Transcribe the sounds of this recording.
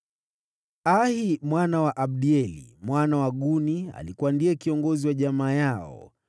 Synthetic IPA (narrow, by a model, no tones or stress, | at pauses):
ahimwanawaʔaɓɗiɛlḭmwanawaɠunia̰likuwandiɛkiɔŋɡɔziwaʄamaːjaɔ̰